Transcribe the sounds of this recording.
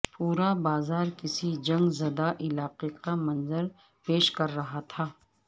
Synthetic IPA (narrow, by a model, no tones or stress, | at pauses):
puːɾabaːzaːɾkɪsid͡ʒɐ̃ŋɡzɐd̪aʔɪlaːqeqamɐ̃nzəɾ | peːʃkɐɾːɐɦat̪ʰaː